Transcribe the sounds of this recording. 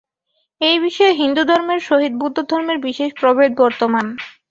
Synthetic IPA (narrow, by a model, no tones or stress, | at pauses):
ejbiʃɔeɦind̪ud̪ʱɔɾmeɾʃoɦid̪̚bud̪ʱːod̪ʱɔɾmeɾbiʃeʃpɾobed̪̚bɔɾt̪oman